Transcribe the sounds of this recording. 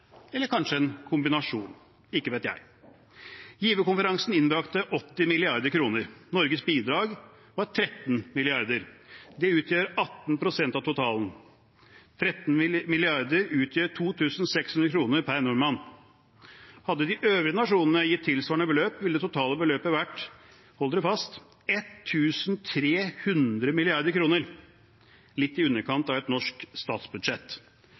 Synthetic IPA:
ɛlːəɾkʰɑnʂəɛnkʰʊmbɪnɑʂuːn | ɪkːəʋeːt̪jæ̰ɪ | jiːʋəkʊnfəɾɑŋsn̩ɪnbɾɑkt̪əʔɔt̪ːɪmɪlɪɑɾd̪əɾkʰɾuːnəɾnɔɾɡəsbiːd̪ɾɑːɡ | ʋɑɾt̪ʰɾɛt̪ːnmɪlɪɑɾd̪əɾd̪ɛʉːt̪ʰjøːɾɑt̪ːnpʰɾʊsɛnt̪ɑʋt̪ʊt̪ʰɑːln | t̪ʰɾɛt̪ːnmɪlɪɑɾd̪əɾʉːt̪ʰjøːʈʰuːt̪ʰʉːsn̩sɛkshʉnd̪ɾəkʰɾuːnəɾpʰæɾnʊɾmɑn | hɑd̪ːəd̪ɪʔøːʋɾɪənɑʂuːnn̩əjɪt̪ʰːɪlsʋɑːɳəbəløːpʋɪld̪ɛt̪ʊt̪ʰɑːləbəløːpəʋæʈː | hɔlːdəd̪ɛfɑst̪ | ɛt̪ʰːʉːsnt̪ʰɾeːhʉnd̪ɾəmɪlɪɑɾd̪əɾkʰɾuːnəɾ | lɪt̪ːɪʉnːəɾkʰɑnt̪ɑʋɛt̪nɔʂkst̪ɑːt̪sbʉd̪ʂɛt̪ː

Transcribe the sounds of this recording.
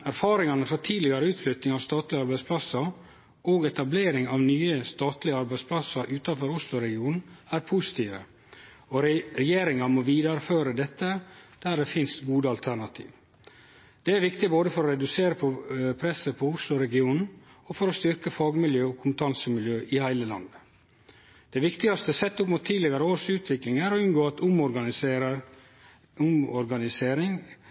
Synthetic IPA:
æɾfɑːɾɪŋɑnəfɔt̪ʰiːd̪lɪɡɑɾəʉːt̪flʏt̪nɪŋɑʋst̪ɑːt̪lɪɑɾbæɪspʰlɑsɑ | ʔoːɡɛt̪ɑbleːɾɪŋɑʋnyːəst̪ɑːt̪lɪəɑɾbæɪspʰlɑsɑɾʔʉːt̪ɑfɔɾʊslʊɾɛɡɪuːnn̩æːɾpʰʊsɪ̥t̪ʰiːʋə̰ | ɔɾɾɛjeːɾɪŋɑmɔʋiːd̪ɑɾføːɾəd̪ɛt̪ːəd̪̥æɾd̪ɛfɪnst̪ɡuːd̪əɑlt̪ʰæɳɑt̪ʰḭːʋ | d̪̥ɛæɾʋɪkt̪ɪboːd̪əfɔɾɔɾɛd̪ʉseːɾəpʰɔpʰɾɛsəpʰɔʊslʊɾɛɡɪuːnn̩ɔfɔɾɔst̪ʏɾkəfɑːɡmɪljøːɔkʰʊmpət̪ʰɑnsəmɪljøːʔɪhæɪləlɑ̰nd̪ə | d̪̥ɛʋɪkt̪ɪɡɑst̪əsɛt̪ːəʊpmʊt̪ʰːiːlɪɡɑɾəoːɾʂʉːt̪ʰʋɪklɪŋæɾɔʉnɡoːɑt̪ʊmɔɾɡɑɾə | ʊmɔɾɡɑnɪseːɾɪŋ

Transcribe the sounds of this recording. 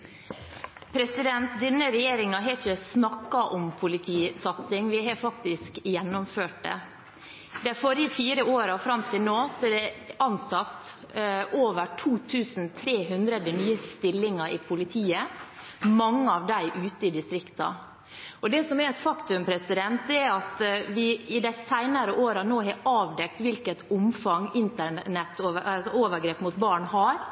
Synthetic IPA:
pʰɾɛsɪd̪ɛnt̪d̪ɛnəɾɛjeːɾɪŋɑɦɑçəsnɑkːɑʔɔmpʰʊlɪt̪ʰiːsɑt̪sɪŋʋɪɦɑfɑk̚t̪ɪskjɛnːʊmføːʈ̚dɛ̰ | d̪æfɔɾɪəfiːɾəoːɾɑʋfɾɑmt̪ʰɪlnoːsɔɛɖɛʔɑnsɑt̪ | ʔoːʋəʈʰuːt̪ʰʉːsn̩t̪ʰɾeːɦʉnd̪ɾəd̪ənyːəst̪ɪlːɪŋɑʔɪpʰʊlɪt̪ʰiːə | mɑŋːəɑʋd̪æɪʔʉːt̪əɪd̪ɪst̪ɾɪkt̪ɑ̰ | ɔd̪ɛsɔmɛɾɛt̪fɑkt̪ʉmpʰɾɛsɪd̪ɛnt̪̚d̪ɛæɾɑt̪ʋɪɪd̪æɪsæɪnəɾəʔoːɾɑnoːɦɛɑːʋd̪ɛkt̪ʋɪlkət̪ʊmfɑŋɪnt̪əɳɛt̪oːsɔoːʋəɾɡɾeːpmʊt̪̚bɑːɳɦɑːɾ

